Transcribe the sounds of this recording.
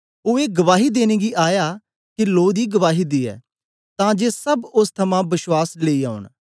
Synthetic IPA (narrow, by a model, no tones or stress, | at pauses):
oːeːɡəʋaːɦiːd̪eːneːɡiːʔaːjaː | kɪloːd̪iːɡəʋaːɦiːd̪iːɛ̰ː | t̪ãːd͡ʒeːsəbʊst̪ʰəmãːbɪʃwaːsleːiːa̰ːʊɳ